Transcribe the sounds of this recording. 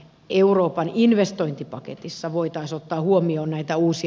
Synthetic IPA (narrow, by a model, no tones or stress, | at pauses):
euroːpɑninʋest̪oint̪ipɑkḛt̪isːɑʋoit̪ɑisot̪ːɑːhuomioːnnæit̪æuːsi